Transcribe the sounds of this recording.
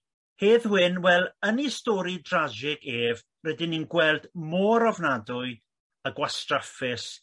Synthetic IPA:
heːðwɪnwɛlˠənistɔɾidrad͡ʒɪɡeːv | rɛdɪninɡwɛlˠdmoːɾɔvnadʊɨ | əɡwastrafɪs

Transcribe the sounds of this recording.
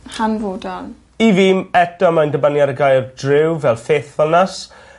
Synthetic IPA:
hanvoːdalˠ | iviːmɛtɔmajndəbanjaɾəɡajrdrɪwvɛlˠfeːθvəlˠnas

